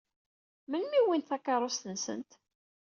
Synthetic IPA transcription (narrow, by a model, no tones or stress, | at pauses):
mənmiwint̪θakːɑɾˤost̪ənsə̰nt̪